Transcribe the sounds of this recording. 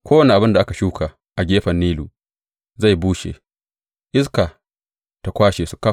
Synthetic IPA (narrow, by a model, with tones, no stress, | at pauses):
kʷoː˦wɐ˨ne˨ʔa˨bɪ˦nda˨ʔa˦ka˨ʃuː˦kʰa˨ | ʔa˨ɡʲeː˦ɸɐ˨nːiː˦luː˨ | za˦˨jbuː˦ʃḛː˨ | ʔɪ˦s̬ka˨ | ta˨kʷaː˦ʃeː˨su˨ka˦